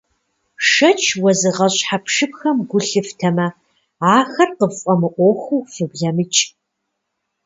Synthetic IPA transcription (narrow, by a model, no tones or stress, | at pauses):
ʂɐt͡ʃʰwɐzɨʁɐɕʼħapʰʂɨpxɐmɡʷʊɬɨftʰɐmɐ | aːxɐrqəfʼɐmɨʔʷoxuwfɨbɮɐmɨt͡ʃʼ